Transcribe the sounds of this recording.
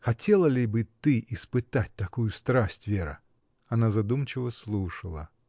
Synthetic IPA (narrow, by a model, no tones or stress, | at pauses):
xɐtʲelˠəlʲɪbɨt̪ɨʔɪspɨt̪at̚ʲt̪ɐkujʊst̪ɾasʲtʲvʲeɾɨ̰ | ɐnazɐd̪umt͡ɕɪvəslˠuʂəlˠə̰